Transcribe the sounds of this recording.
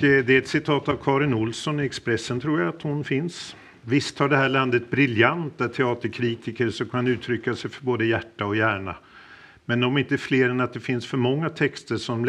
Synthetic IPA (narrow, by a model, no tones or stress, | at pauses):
d̪ɛɛt̪sɪt̪ʰɑːt̪avkʰɑːɾɪnʊlsɔnɪɛkspɾɛsːənt̪ʰɾuːɾjaːt̪hʊnfɪns | vɪst̪haɖɛɦæːɭand̪ət̪̚bɾɪljant̪at̪ʰɛɑːt̪əɾkʰɾiːt̪ɪkəɾʂɔkʰannʉ̟ːt̪ʰɾʏkːasɛjfœɾboːd̪əjæʈːaɔjæːɳa̰ | mɛnɔmɪnt̪əfleːɾɛnat̪̚d̪ɛfɪnsfœɾmɔŋːat̪ʰɛkst̪əʂɔm